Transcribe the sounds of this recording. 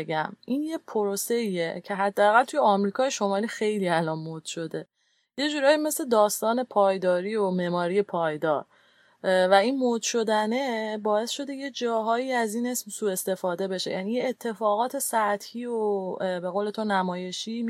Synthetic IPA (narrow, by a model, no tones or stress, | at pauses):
ɡæmʔiːnjepʰoɾose̞iecʰe̞ɦæd̪ːeæɣælt̪ʰujeɒːmɾiːkʰɒːjeʃo̞mɒːɾiːxe̞jliːælɒːnmod̪̥ʃo̞d̪e̞ | je̞d͡ʒuːɾɒːjime̞sle̞d̪ɒːst̪ɒːne̞pʰɒːjd̪ɒːɾiːomemɒːɾije̞pʰɒːjd̪ɒːɾ | væinmod̪̥ʃo̞d̪æne̞bɒːe̞sʃo̞d̪e̞je̞d͡ʒɒːɦɒːiːæziːne̞smsuːe̞st̪e̞fɒːd̪e̞be̞ʃe̞̰jæ̰nijeːt̪ʰːe̞fɒːɣɒːt̪ʰe̞sæt̪hiːobe̞ɣoːle̞t̪ʰonæmɒːje̞ʃi